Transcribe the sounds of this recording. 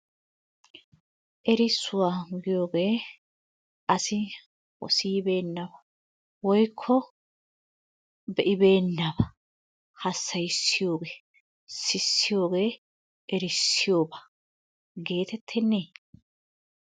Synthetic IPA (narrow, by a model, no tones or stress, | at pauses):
ʔɛɾɪsːʊwaːɡɪjo̞ːɡe̞ː | ʔɐsɪ | wɔ̰siːbe̞ːnːɐbɐ̥ | wɔjkʰːɔ | bɛʔɪbe̞ːnːɐbɐ | hɐsːɐjsːɪjo̞ːɡeː | sɪsːɪjo̞ːɡe̞ː | ʔɛɾɪsːɪjo̞ːbɐ̥ | ɡe̞ːt̪ɛt̪ʰːɛnːeː